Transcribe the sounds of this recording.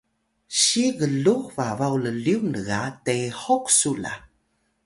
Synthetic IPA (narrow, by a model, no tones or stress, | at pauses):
ɕiɣəɮuhvavawləliwnəɣatehɔksula̰